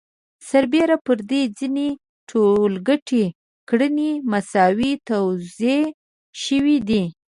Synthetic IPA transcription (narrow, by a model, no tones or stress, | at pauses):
saɾbeɾapəɾd̪ed͡zine | ʈʰolɡəʈʰe | kɽənemasɑwit̪awze | ʃəwid̪i